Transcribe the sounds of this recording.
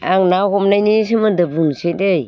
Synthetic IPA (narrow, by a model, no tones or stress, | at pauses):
aŋnahomnajnis̬imadabunsedej